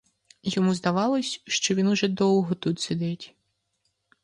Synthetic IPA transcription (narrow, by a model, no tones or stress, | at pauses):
jɔmuzd̪aʋɑlˠɔsʲʃt͡ʃɔʋʲinʊʒɛd̪ɔw̪ˠɦɔt̪ut̪sʲɛd̪ɛtʲ